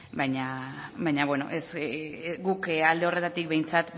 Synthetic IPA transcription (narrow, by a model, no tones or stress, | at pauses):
bajɲabajɲaβweno̞̰ʔes | ɡukald̪e̞o̞re̞t̪at̪ik̚βe̞jnt͡sat̪